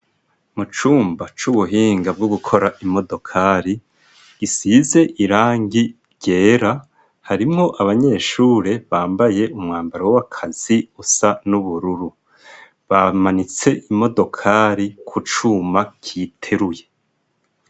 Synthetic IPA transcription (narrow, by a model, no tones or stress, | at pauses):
mut͡ʃuːmbat͡ʃuβuɦiːŋɡab̚ɡoɡukʰo̞ɾaʔimo̞do̞kʰaɾi | ɡ̥isize̞ʔiɾaːŋɡiɾɟe̞ːɾa | haɾimŋo̞ʔaβaɲe̞ːʃuːɾe̞βaːmbaje̞umŋaːmbaɾowakʰaz̥iusanuβuɾuɾu | βamanit͡se̞ʔimo̞do̞kʰaɾikʰut͡ʃuːmakʰitʰe̞ɾuje̞